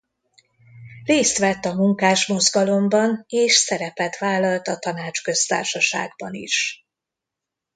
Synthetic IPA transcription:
reːst̪ʋɛt̪ːɒmuŋkaːʃmo̞zɡɒlo̞mbɒneːʃsɛɾɛpɛt̪ʋaːlːɒlt̪ɒt̪ɒnaːt͡ʃkø̞st̪a̰ːrʃɒʃa̰ːɡ̚bɒnḭʃ

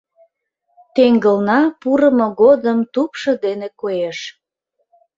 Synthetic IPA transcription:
t̪eŋɡəlnɑpuɾəmoɣod̪əmt̪upʃə̆d̪enekojeʃ

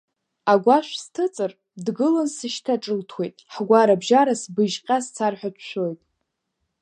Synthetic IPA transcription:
aɡʷaʃʷᶣstʰɨt͡sʼɨr | dɡɨlɨnsɨʃtʰaʈ͡ʂʼɨltʰwe̞jtʼħɡʷaɾabʒaɾasbɨʒqʲʼast͡sʰarħʷᶣat͡ʃʷʰʃʷᶣo̞jtʼ

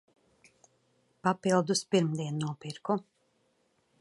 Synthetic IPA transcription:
papilˠd̪uspiɾmd̪iɛnːuɔpiɾku

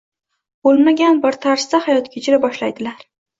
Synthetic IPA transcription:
bolˠmaɡʲanbɪɾt̪ʰaɾsd̪ahajɒt̪kʲʰet͡ʃʰɪɾabɒʃlajd̪ɪlaɾ

